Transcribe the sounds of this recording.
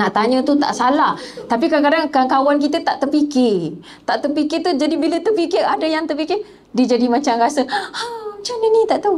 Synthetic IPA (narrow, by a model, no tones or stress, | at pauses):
naʔt̪aɲə̃t̪ut̪a̰ʔsalaht̪apikaakadaŋkaŋkawank̬it̪ət̪aʔt̪ərpikɪr | t̪aʔt̪əpikɪt̪ud͡ʒadibilət̪əpikɪɾadajaŋt̪ərpikɪ | did͡ʒadimat͡ʃamrasəat͡ʃaninĩt̪aʔt̪əw